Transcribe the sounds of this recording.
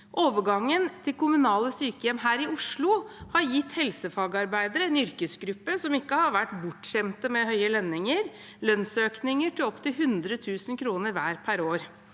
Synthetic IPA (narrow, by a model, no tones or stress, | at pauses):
ʔoːʋəɡɑŋːənt̪ʰɪlkʰʊmʉnɑːləsyːkəjɛmːɦæːɾɪʊʂɭʊhɑɾjɪt̪ːhɛlsəfɑːɡəɑɾbæɪd̪əɾəɛnʏɾkəsɡɾʉpːəsɔmɪkːəhɑɾʋæʈːbʊʈɕɛmt̪əmɛhœʏəlɛnːɪŋəɾ | lœnsøːknɪŋəʈʰɪɔpt̪ʰɪlɦʉnd̪ɾət̪ʰʉːsənkʰɾuːnəɾʋæːɾpʰæɾoːɾ